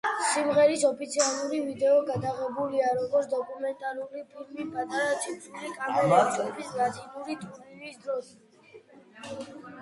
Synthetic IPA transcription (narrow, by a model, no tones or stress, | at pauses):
simʁɛɾisɔpʰit̪sʰialˠuɾivid̪ɛɔɡad̪aʁɛbuliaɾɔɡɔɾt̪sʰd̪ɔkʼumɛnt̪ʼaɾuɾipʰilmipʼat̪ʼaɾat͡ʃʰʼisʰulikʼamɔlat͡ʃʰʼɔbisnat̪sʰilˠuɾit̪ʼuɾɾiɾisd̪ɾɔs